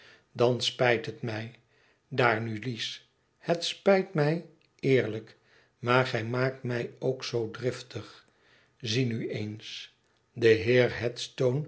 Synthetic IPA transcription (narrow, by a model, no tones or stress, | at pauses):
dɑnspɛjtɦətmɛj | daːɹnylis | hətspɛjtmɛj | ɪːɹlək | maːɹχɛjmaːk̚tmɛjowksowdrɪftəχ | zinyejns | dəɦɪːɹɦɛtstown